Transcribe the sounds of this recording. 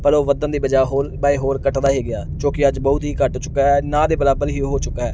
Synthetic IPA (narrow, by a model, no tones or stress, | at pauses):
pəɾoːʋəd̪ənd̪iːbəd͡ʒaːɦoːɾbaːeːɦoːɾkəʈd̪aːɦeːɡɪaːt͡ʃõːkɪəd͡ʒbɔːʊt̪ɦiːkəʈt͡ʃʊkaɛːnãːd̪eːbəlaːbəlɦiːɦoːt͡ʃʊkːaːɦɛː